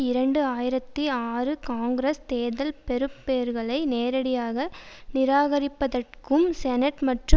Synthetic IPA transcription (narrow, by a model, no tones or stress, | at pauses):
ɪɾɐɳɖɯaːjɪɾɐt̪ːiaːrɯkaːŋɡɾest̪eːðɐlpɛɾɯpːeːɾɣɐɭɐɪneːɾɐɽɪjaːɣɐnɪɾaːɣɐɾɪpːɐðɐrkɯmsɛnɐʈmɐʈrɯ